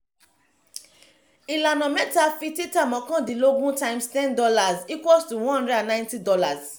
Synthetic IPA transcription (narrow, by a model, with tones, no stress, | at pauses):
i˨la˨nɔ̃˨mɛ˦ta˦fi˦ti˦ta˦mɔ̃˨kɔ̃˦di˨lo˦ɡũ˦tã˦ɪ̃mstɛ̃˦ndɔ˦la˨zi˦kwɔ˦lstu˨wɔ̃˦hɔ̃˦ndɾɛ˦dã˨nːã˦ɪ̃nti˦dɔ˦la˨z